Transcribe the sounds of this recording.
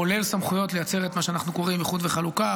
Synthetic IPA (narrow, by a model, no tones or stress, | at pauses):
ole̞lsamχujo̞tle̞jat͡se̞ʁetmaʃeanaχnuko̞ʁimeχut̪veχaluka